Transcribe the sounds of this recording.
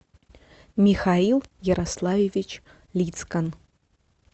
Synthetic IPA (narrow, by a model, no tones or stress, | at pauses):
mʲɪxailˠjəɾʔɐslˠavʲevʲɪt͡ɕ | lʲit̪skən